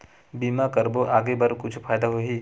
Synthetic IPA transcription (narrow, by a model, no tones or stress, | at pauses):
biːmakɐɾboʔaːɡebɐɾkʊt͡ʃʰfʰaːjd̪aɦoɦiː